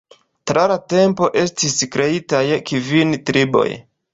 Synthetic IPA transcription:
tɾalate̞mpo̞ʔe̞stiskɾe̞itajkivintɾibo̞̰j

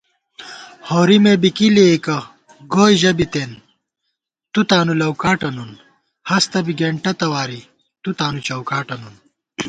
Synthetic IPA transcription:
hoːɾimebikiliekɐ | ɡoːjʑɐbit̪eːn | t̪ut̪aːnulɐwkaːʈɐnun | hɐst̪ɐbiɡeɳʈɐt̪ɐwaːɾi | t̪ut̪aːnut͡ɕɐwkaːʈɐnun

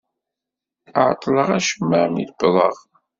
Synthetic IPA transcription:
aʕt̪ˤːləʁæʃəmːəmḭlbðˤəʁ

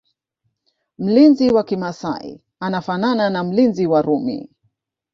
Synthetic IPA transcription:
m̩linziwakimasa̰ḭ | anafanananam̩linziwaɾumḭ

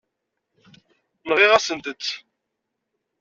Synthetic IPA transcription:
nʁiʁæsənt̪ət͡sː

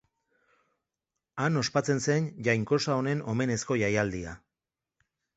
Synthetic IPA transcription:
ano̞spat͡se̞nse̞nʝajŋko̞sao̞ne̞no̞me̞ne̞sko̞ʝajald̪ia̰

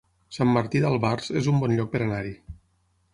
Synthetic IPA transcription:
samːaɾt̪iðalˠβarzezumbɔnʎɔk̚peɾanaɾi

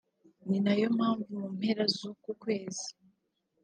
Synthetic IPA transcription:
ninajo̞maːɱvumum̥he̞ɾazukukwe̞ːzi̥

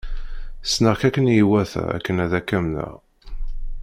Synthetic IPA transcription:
snəʁkækːənjiwæθæ̰æ̰kːənæðækːæmnə̰ʁ

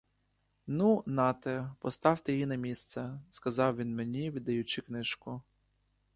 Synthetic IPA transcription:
nunɑt̪ɛpɔst̪ɑwt̪ɪjinɐmʲist̪sɛskɐzɑwʋʲinmenʲiʋʲid̪ɐjʊt͡ʃiknɪʒkʊ

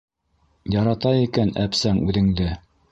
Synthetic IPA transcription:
jɑɾɑt̪ɑikænæpsæŋʉðɘ̆ŋd̪ɘ

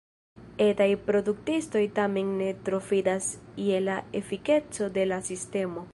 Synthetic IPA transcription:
e̞tajpɾo̞duk̚tisto̞jtame̞nːe̞tɾo̞fidasie̞lae̞fike̞t͡so̞de̞lasiste̞mo̞

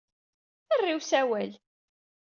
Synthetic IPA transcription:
θərˤːiwsæwæl

